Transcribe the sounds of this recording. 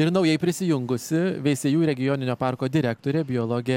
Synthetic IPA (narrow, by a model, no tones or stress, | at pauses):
ɪɾnɐʊjɛɪpʲɾʲɪsʲɪjʊŋɡʊsʲɪʋʲɛɪsʲejuːɾʲɛɡʲɪjoːnʲɪnʲoːpɑɾkoːd̪ʲɪɾʲæːkt̪oːɾʲeːbʲɪjoːlˠoːɡʲɛ